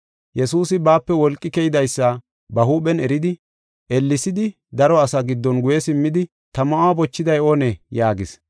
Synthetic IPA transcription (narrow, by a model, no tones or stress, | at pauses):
jɛsuːsɪbaːpːɛwɔlkʼːɪkɛjɪd̪ɐjsːɐ | bɐɦuːɓɛnɛɾɪd̪ɪ | ʔɛlːɪsɪd̪ɪ | d̪ɐɾɔɐsɐɡɪd̪ːɔnɡʊjɛsɪmːɪd̪ɪ | t̪ɐmɐʔaːbɔt͡ʃːɪd̪ɐjoːnɛjaːɡɪs